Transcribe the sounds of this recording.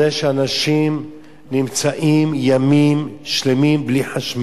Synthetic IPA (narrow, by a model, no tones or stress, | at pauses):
eʃeanaʃim | nimt͡saʔimjamimʃlemimbliħaʃm